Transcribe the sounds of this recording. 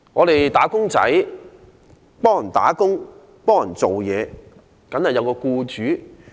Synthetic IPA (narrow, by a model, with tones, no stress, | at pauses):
ŋɔː˨˧ɾe˨jt̪aː˨˥kʊ˥ŋt͡sɐ̰˨˥j | pɔː˥ŋjɐ˨˩nt̪a̰ː˨˥kʊ˥ŋ | pɔː˥ŋjɐ˨˩nt͡so˨wjɛː˨˧ | kɐ˨˥nhɐ˨jɐ˨˧wkɔː˧kuː˧t͡ʃyː˨˥